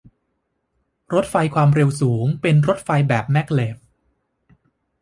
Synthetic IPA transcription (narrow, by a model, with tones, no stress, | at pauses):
ɾo˦˥t̪̚fa˧jkʰwaː˧mɾe˧wsuː˩˦ŋpe˧nɾo˦˥t̪̚fa˧jbɛː˨˩p̚mɛ˦˥kleː˨˩p̚